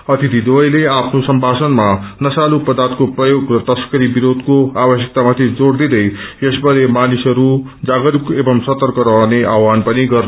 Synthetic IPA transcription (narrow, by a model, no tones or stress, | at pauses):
ʌt̪it̪ʰid̪ojleapʰnosʌmbʱasʌnmanʌsalupʌd̪art̪̚koprʌjoɡrʌt̪ʌskʌɾibiɾod̪koabʌsjʌk̚t̪amat̪ʰid͡zoɽd̪id̪ʌjjesbʱʌɾemanisʌɾu | d͡zaɡʌɾukebʌmsʌt̪ʌrkʌɾʌɦʌneʔawanpʌniɡʌrn